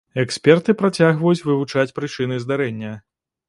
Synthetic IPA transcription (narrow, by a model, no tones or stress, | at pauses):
ɛksʲpʲɛrt̪ɨpɾat͡sʲaɣvɐjut͡sʲvɨvut͡ʂat͡sʲpɾɨt͡ʂɨnɨzd̪aɾɛnʲːɐ